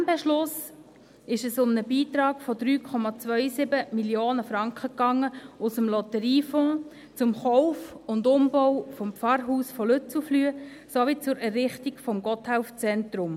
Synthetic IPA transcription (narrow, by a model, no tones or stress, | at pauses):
mbɛʃlʊs | ɪʃəsʊmnəbiːtɾɑːɡfɔd̪ɾyːkʰɔmɑt͡sʋœʏsɪbəmiljoːnəfɾɑŋkχəkɑŋːəʊsəmlɔt̪əɾiːfɔ̃ː | t͡sʊmχɔʊfʊndʊmbɔwfɔmpfɑɾɦuːsfɔlɵt͡suflyəsoʋit͡sʊɾɛrːɪχtikfɔmɡɔthaʊft͡sɛntɾʊm